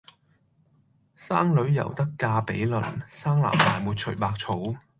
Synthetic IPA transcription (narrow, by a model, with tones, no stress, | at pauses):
saː˥ŋlɵ˨˥ɥjɐ̰˨˩wt̪ɐ˥kːaː˧pe˨˥jlɵ˨˩nsaː˥ŋla̰ː˨˩mːaː˨˩jmuː˨˧t̚t͡ʃʰɵ˨˩ɥpaː˧k̚t͡sʰo˨˥w